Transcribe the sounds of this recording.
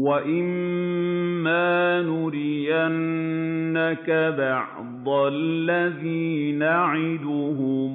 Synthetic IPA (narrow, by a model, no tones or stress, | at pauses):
waʔɪmː | aːnʊɾiʔanː | akabɑʕ | d̪ˤallːaðiːnaʕɪd̪ʊhʊ